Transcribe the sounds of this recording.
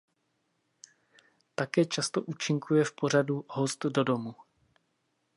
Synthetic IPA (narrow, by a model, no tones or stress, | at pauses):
t̪akɛːt͡ʃast̪o̞ʔuːt͡ʃɪŋkʰujɛfpo̞raduɦo̞st̪do̞do̞mu